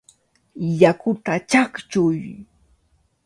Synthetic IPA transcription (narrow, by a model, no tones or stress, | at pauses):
jakʊt̪at͡ʃakt͡ʃʊj